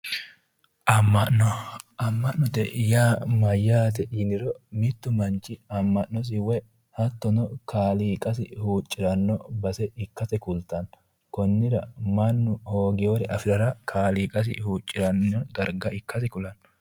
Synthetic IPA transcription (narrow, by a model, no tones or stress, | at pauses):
ʔɐmːɐʔɔʔɐmːɐʔnːɔt̪ɛ̰jaːmɐjːaːt̪ɛɪnɪɾɔmɪt̪ːʊmɐnt͡ʃːɪɐmːɐʔnɔs̬ɪwɛ | hɐt̪ːɔnɔkʰaːliːkʼɐsɪhuːt͡ʃʼːɪɾɐnːɔbɐsɛɪkːɐt̪ɛkʊlt̪ːɐn | kɔnːɪɾɐ̰mɐnːʊhoːɡɪjoɾɛʔɐfɪɾɐɾɐkʰaːliːkʼɐs̬ɪ̰huːt͡ʃʼːɪɾɐnːɔd̪ɐɾɡɐɪkːɐsɪkʊlɐn